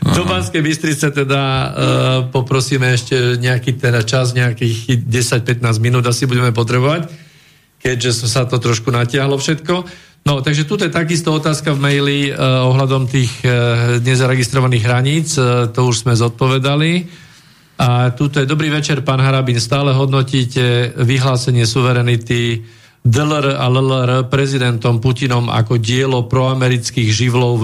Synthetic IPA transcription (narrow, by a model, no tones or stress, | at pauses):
d̪ɔbaskɛjbist̪ɾit͡sɛt̪ɛd̪a | pɔpɾɔsiːmɛɛʃcɛɲɛakiːt̪ɛd̪at͡ʃazɲɛakiːɣɟɛsac̚pɛt̪̚naːzminuːd̪asibuɟɛmɛp̬ɔt̪ɾɛbɔʋac | kɛɟʒɛssat̪ɔt̪ɾɔʃkunacɪaɦlɔfʃɛt̪kɔ | nɔt̪aɡʒɛt̪uːt̪̬ɔjɛt̪aɡist̪ɔɔt̪aːskavmɛjliɔɦlad̪ɔmt̪iːɣɲɛzaɾɛɡist̪ɾɔʋaniːɣɦɾaɲiːt͡st̪ɔuʒz̥mɛzɔt̪̚pɔʋɛd̪ali | at̪uːt̪ɔjɛd̪ɔbɾiːʋɛt͡ʃɛɾpaːnɦaɾabinst̪aːlɛɦɔd̪nɔciːcɛʋiɦlaːsɛɲɪɛsuʋɛɾɛnit̪i | d̪lɾallɛɾpɾɛzid̪ɛnt̪ɔmpucinɔma̰kɔɟɪɛlɔpɾɔamɛɾit͡skiːɣʒiʋlɔʊ